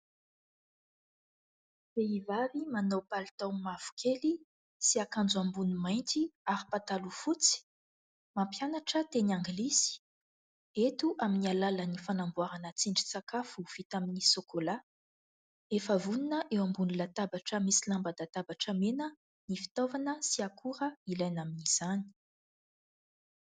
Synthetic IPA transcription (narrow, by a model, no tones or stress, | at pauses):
feivavimanowpalt̪awmav̥u̥kʰeli | siakand͡zuambunumajnt̪iaɾipat̪alufut͡si̥ | mampjanaʈ͡ʂət̪enaŋɡlisi̥ | et̪uʔaminialalənifanambuwaɾanət͡siɳɖ͡ʐi̥t͡sakafuv̥it̪aminisokola | efəvuninəʔewambunilat̪abaʈ͡ʂəmisilambad̪at̪abaʈ͡ʂəmenə | nifi̥t̪ovanəsiakʰuɾəilajnaminiz̥ani̥